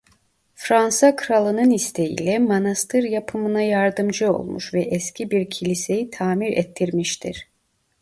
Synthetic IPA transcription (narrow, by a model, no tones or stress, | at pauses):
fɾansakʰɯɾalˠɯnɯnist̪ʰejḭlʲɛmanast̪ʰɯɾjapʰɯmɯnajaɾd̪ɯmd͡ʒɯo̞̰lˠmṵʃvɛʔɛscʰibiɾcʰilʲise̞jit̪ʰaːmiɾɛ̰t̪ʰːiɾmiʃt̪ʰiɾ̥